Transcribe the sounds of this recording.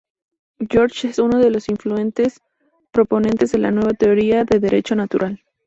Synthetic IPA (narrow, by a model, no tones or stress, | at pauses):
ɟ͡ʝo̞ɾt͡ʃesuno̞ðe̞lo̞siɱflue̞nt̪e̞s | pɾo̞po̞nẽ̞nt̪e̞zðe̞lanwe̞β̞at̪e̞oɾiaðe̞ðe̞ɾʔe̞̰t͡ʃo̞nat̪uɾʔal